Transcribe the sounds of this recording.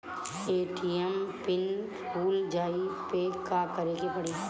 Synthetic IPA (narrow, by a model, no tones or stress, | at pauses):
eːʈiɛmpɪn | puːld͡ʒaːipekakəɾeːɡepɐɽeː